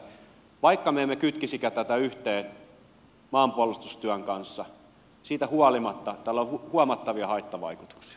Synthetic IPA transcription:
ʋɑikːɑmeemːekyt̪kisikæt̪æt̪æyht̪eːn | mɑːmpuolust̪ust̪yæŋkɑnsːɑ | siːt̪æhuɑlimɑt̪ːɑt̪ælːohuhuɑmɑt̪ːɑʋiɑhɑit̪ːɑʋɑ̰iku̥t̪u̥ksi̥ɑ

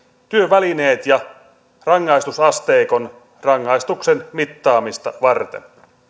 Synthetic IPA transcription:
t̪yøʋæline̞ːt̪jɑ | rɑŋːɑjst̪usɑst̪e̞ːko̞n | rɑŋːɑjst̪uksenmit̪ːɑːmist̪ɑʋɑrt̪ḛn

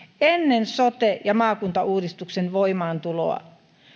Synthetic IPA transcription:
enːensot̪ejɑmɑːkunt̪ɑuːdist̪uksenʋoimɑːnt̪ulo̰ɑ̰

